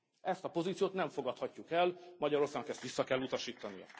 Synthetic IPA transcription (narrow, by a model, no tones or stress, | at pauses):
ɛst̪ɒpo̞zit̪sijoːt̪nɛɱfo̞ɡɒt̪hɒcːukɛlmɒɟɒɾo̞rsaːɡnɒkɛst̪ʋisːɒkɛlːut̪ɒʃiːt̪ːɒnijɒ̰